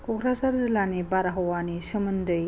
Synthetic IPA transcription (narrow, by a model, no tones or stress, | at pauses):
kʰɔkʰɾasaɾzilanibaɾaɦɔwanisɯmɯndɯj